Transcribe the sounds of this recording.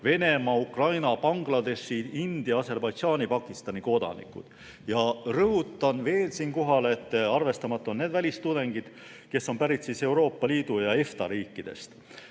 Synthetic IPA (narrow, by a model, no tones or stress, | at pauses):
ve̞ne̞mɑukrɑjnɑpɑŋɡ̥lɑd̪e̞ʃiind̪̥iɑɑse̞rbɑjd̪̥ʒɑːnʲipɑkˑːist̪ɑniko̞d̪̥ɑ̰nḭkˑṵd̪̥ | jɑrɤɦut̪ːˑɑnve̞ːlsiːnko̞ɦɑlet̪ːɑrve̞st̪ɑmɑt̪ːˑoonne̞ːd̪vælʲist̪ud̪̥e̞ŋɡid̪̥ | ke̞sːo̞mpæɾit̪sise̞wɾo̞ːpːɑliːd̪̥ujɑe̞ft̪ɑɾiːkːˑid̪̥e̞̰st̪